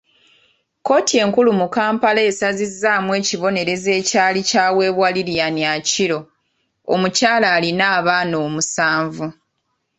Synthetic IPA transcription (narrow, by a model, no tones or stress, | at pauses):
ko̞ːtie̞ːŋkulumukaːmpalaesazizːaːmwe̞ːciβo̞ne̞ɾe̞ze̞ːcaːlicaːwe̞ːβwaliɾjanjaciɾo̞ | o̰mucaːlaːlinaːβaːno̞ːmusaːɱvu